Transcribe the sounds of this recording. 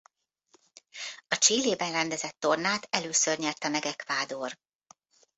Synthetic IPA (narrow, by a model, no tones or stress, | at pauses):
ɒt͡ʃiːlːeːbɛnrɛnd̪ɛzɛt̪ːo̞rnaːt̪ɛløːsørɲɛrt̪ɛmɛɡɛkʋaːd̪oːr